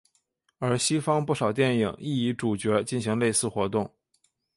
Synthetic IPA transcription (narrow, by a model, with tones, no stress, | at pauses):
ə˞˧˥ɕi˥fɑ˥ŋpu˥˩ʂɑ˨˩ʊt̪̬jɛ˥˩ni˨˩ŋʔi˥˩i˧˥ʈ͡ʂu˨˩t͡ɕɥɛ˧˥t͡ɕi˥˩nɕi˧˥ŋle˥˧ɪsɹ̩˥˩xwɔ˧˥t̪ʊ˥˩ŋ